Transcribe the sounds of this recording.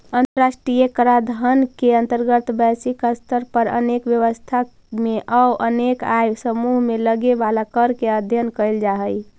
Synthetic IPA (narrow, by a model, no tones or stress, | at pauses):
ənt̪əɾasʈɾijekəɾad̪ʱənkeənt̪əɾɡət̪bɛsikəst̪əɾpəɾə̰nekʋjəʋəst̪ʰa | meʔəwʔənekajsəmuɦmeləɡebalakəɾkeəd̪ʱjənkəjld͡ʒaɦəj